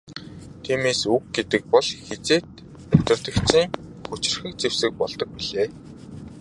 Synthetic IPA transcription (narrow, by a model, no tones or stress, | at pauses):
t̪ʰiːmeːsuk̚ɡet̪ɘ̆k̚pɔɮxet͡seːt̪ | ʊt̪ə̆rt̪ə̆kt͡ɕʰiːŋxut͡ɕɪ̆rxɘ̆k̚t͡sewsɘ̆k̚pɔɮt̪ɞ̆k̚piɮeː